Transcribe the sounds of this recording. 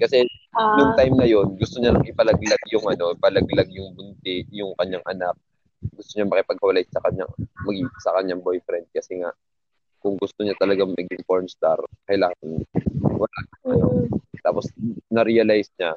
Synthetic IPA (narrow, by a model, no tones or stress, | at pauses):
kɐsɛjʊŋt̪ajmnɐjo̞nɡʊst̪oɲanɐŋʔɪpɐlɐɡlaɡjʊŋʔɐno̞ɪpɐlɐɡlaɡ̚jʊŋbʊnt̪ɛʔjʊŋkɐɲːaŋʔɐnak̚ | ɡʊst̪oɲamɐkɪpɐɡ̚hɐwɐlajsɐkɐɲa̰ŋmɐɡisɐkɐɲːaŋbojfɾɛnd̪̚kɐsɛŋaʔ | kʊŋɡʊst̪oɲat̪ɐlɐɡaŋmɐɡɪŋfoɹmst̪aɾkɐjlaːŋɐnwɐlanɐŋɐno̞̰t̪a̰ːpo̞snɐɾiɐlajsɲa